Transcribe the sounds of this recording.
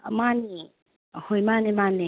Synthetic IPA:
mani | hojmanimani

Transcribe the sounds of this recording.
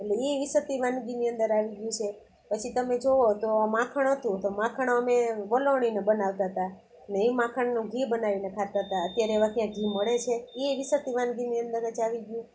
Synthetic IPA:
eleeʋisət̪iʋanɡiniənd̪əɾaʋiɡjũt͡ʃʰe | pət͡ʃʰit̪əmed͡ʒoot̪omãkʰəɳ̃ɦət̪ũt̪omãkʰəɳ̃əmeʋəloɳ̃inebənaʋt̪aɦət̪a | əneimãkʰəɳnũɡʱibənaʋinekʰat̪aɦət̪aət̪jaɾeeʋãt̪jãɡʱiməɭet͡ʃʰeeʋisət̪iʋanɡiniənd̪əɾət͡ʃaʋiɡjũ

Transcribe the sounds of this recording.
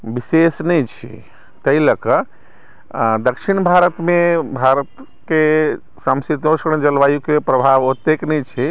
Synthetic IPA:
bisesnɛjt͡ʃʰḭ | t̪əiləkə | d̪əkʃinbʱaɾət̪mebʱaɾət̪ | ke | səmsit̪osɾənd͡ʒəlʋajukepɾəbʱaʋot̪ːeknɛjt͡ʃʰi

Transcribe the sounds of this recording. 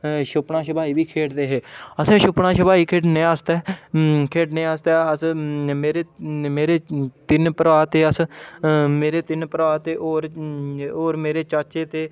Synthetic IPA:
ʃʊpɳãːʃəbaːiːbiːkʰeːʈd̪eːɦeːəsẽːʃʊpɳãːʃəbaːiːkʰeːʈnẽːaːst̪ɛːkʰeːʈnẽːaːst̪ɛːəsmeːɾeːmeːɾeːt̪ɪnpəɾʋaːt̪eːəs | meːɾeːt̪ɪnpəɾʋaːt̪eːʔoːɾ | oːɾmeːɾeːt͡ʃaːt͡ʃeːt̪eː

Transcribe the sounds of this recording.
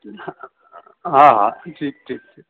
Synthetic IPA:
ɦãɦãʈʰiːk̚ʈʰiːk̚ʈʰiːk

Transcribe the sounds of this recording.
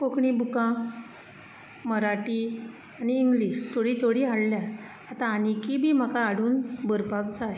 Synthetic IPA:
kokɳibukã | məɾaʈi | aniːŋɡliɕt̪ʰoɽiːt̪ʰoɽiːɦaɽlja | at̪ãːnikibʱiːm̤akaːɽuːnbəɾpabt͡saɦe

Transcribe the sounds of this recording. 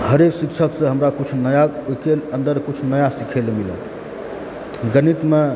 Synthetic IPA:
həɾeksikt͡ʃʰəksə̃ɦəmɾakut͡ʃʰnəjaokelənd̪əɾkut͡ʃʰnəjasikʰelemilə̰ | ɡənit̪me

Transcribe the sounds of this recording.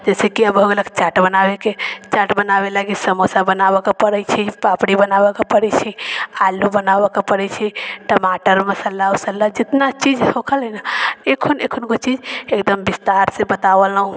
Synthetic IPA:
d͡ʒɛsekiəboɡləkt͡ʃaʈbənabeket͡ʃaʈbənabelaɡisəmosabənabəkepəɾət͡ʃʰipapɽibənabəkepəɽɛt͡ʃʰialubənabəkepəɾɛt͡ʃʰɛʈəmaʈəɾməsəlːaosəlːad͡ʒit̪nat͡ʃid͡ʒhokʰəlɛnaekʰonekʰonkot͡ʃid͡ʒekd̪əmbist̪aɾsebət̪aʋələɦũ

